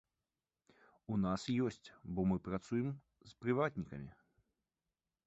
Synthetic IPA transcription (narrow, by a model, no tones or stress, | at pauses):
unasjɔsʲt͡sʲbɔmɨpɾat̪sujɛm | spɾɨvad̪ʲnʲikɐmʲi